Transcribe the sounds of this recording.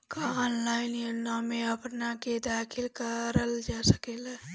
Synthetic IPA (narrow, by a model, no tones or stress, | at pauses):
kaaːnlaːɪnjonamẽəpnaked̪aːkʰɪlkəɾəld͡ʒasəkeːla